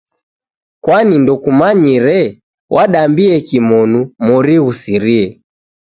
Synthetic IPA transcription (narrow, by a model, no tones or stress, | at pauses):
kwanindɔkumaɲiɾɛ | wʔaɗambiɛkimɔnumɔɾiɣusiɾiɛ